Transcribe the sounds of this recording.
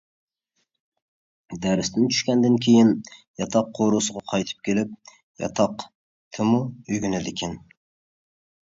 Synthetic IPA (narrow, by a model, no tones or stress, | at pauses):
d̪æɾɪst̪ɪnt͡ʃʰy̥ʃkʲɛnd̪ɪnkʲʰejɪnjɑt̪ʰɑqʰːoɾosɨʁɑqʰɑjt̪ʰɨ̥p̚kʲʰelɪp̚ | jɑ̰t̪ʰɑq | t̪ʰɪmuyjɡʲynɪd̪ɪkʲʰɪn